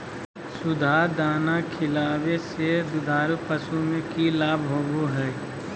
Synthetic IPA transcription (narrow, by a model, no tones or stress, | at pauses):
sʊd̪ʱaːd̪aːnakʰɪlaːwesed̪ʊd̪ʱaːɾupəsumẽkilaːbʱɦoːɡoɦɛː